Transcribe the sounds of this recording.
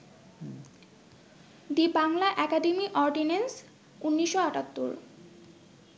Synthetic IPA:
d̪ibaŋlaʔɛkaɖemiʔɔɾɖinens | unːiʃːoaʈat̪ːṵɾ

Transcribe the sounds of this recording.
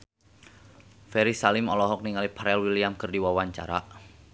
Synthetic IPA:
fɛɾisalɪmɔlɔɦɔk̚niŋalipʰaɾɛlwiliamkərdiwawaɲt͡ʃa̰ɾa̰

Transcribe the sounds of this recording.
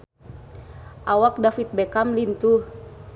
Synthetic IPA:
ʔawak̚dafit̪̚bɛkamlint̪u

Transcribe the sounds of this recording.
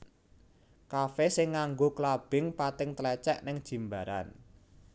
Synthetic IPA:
kafɛsɪŋːaŋɡoklab̥ɪŋpat̪ɪŋt̪lɛt͡ʃɛʔnɪŋd̥ʒ̥i̤mbaɾa̰n

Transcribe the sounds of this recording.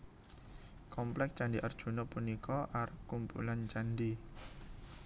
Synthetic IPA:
kɔmplɛk̚t͡ʃandiʔərd̥ʒ̥ṳnɔpunikɔʔarkumpṵlant͡ʃandi

